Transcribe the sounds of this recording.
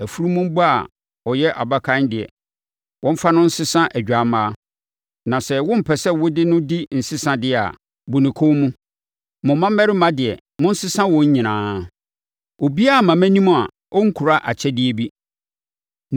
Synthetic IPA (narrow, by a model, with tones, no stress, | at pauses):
æ˨fu˦ɾu˦mʊ̃˦m̩˦bɔ˦a̰˨ | ɔ˨jɛ˦ʔa˨ba˦kʰã˦ndɪ˨ɛ̰˨ | wɔ̃˦m̩˦fa˦nʊ̃˦n̩˦sɪ˦sã˦ʔæ˨d͡ʑᶣa˨mãː˦ | nã˨sɛ˨wʊ̃˦m̩˨pʰɛ˨sɛ˦wʊ˦dɪ˦nʊ̃˦di˦n̩˨sɪ˦sã˨dɪ˦˨a̰˨ | bʊ˨nɪ̃˨kʰo˦mũ˦ | mʊ̃˨˦mã˦m˦mɛ˦ɾɪ˦mã˦dɪ˨ɛ˨ | mʊ̃˦n̩˦sɪ˦sã˦wɔ̃˦ɲ̩˦ɲɪ̃˨nãː˦ | o˨bi˦a˦˨mã˨mæ̃˦nĩ˦m̃˦a˨ | ɔ˦ŋ̩˦kʰu˨ɾa˦ʔa˨t͡ɕʰɛ˦dɪ˦ɛ˨bi˦